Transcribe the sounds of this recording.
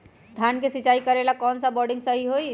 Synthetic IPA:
d̪ʱjankesit͡ʃaikəɾelakɔːnsabɔɖĩŋɡsəɦiɦoj

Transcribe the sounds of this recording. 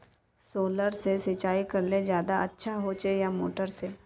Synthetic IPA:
soːləɾsesɪt͡ʃaːikɐɾled͡ʒjaːd̪aɐtːʃʰaɦot͡ʃejamo̰ːʈəɾse

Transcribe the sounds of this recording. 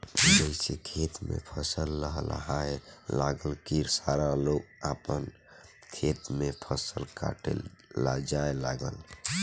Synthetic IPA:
d͡ʒəɪsekʰet̪mḛpʰəsəlːəɦl̰ɦaelaɡəlkiɾsaɾalok̚apən | kʰet̪mepʰəsəlka̰ʈḛla̰d͡ʒaelaɡəl

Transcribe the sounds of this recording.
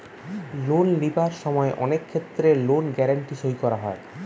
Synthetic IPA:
lonlibaɾʃɔmɔeʔɔ̰nekʰːet̪ːɾelonɡɛɾaɳʈiʃojkɔɾaɦɔe

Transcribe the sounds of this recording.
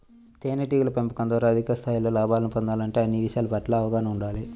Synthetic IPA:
t̪eːnɐʈ̬iːɡulɐpempɐkɐnd̪ʋaːɾaɐd̪ʱikɐst̪ʰaːjlo̞ːlaːbaːlɐnipond̪aːlɐɳʈeːɐnːiʋiʃaːlɐpɐʈlaːɐʋɐɡaːnɐmuɳɖaːli

